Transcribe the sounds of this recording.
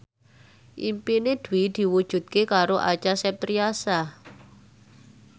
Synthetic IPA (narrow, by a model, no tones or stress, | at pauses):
ʔimpined̪̥wid̪̥i̤wud̥ʒ̥ṳt̪̚kekaɾoʔat͡ʃasɛp̚t̪ɾiasa